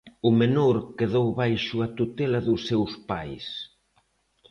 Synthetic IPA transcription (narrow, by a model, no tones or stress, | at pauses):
ʊmenoɾkeðowβajʃʊat̪ut̪ɛlɐðʊsːewspajs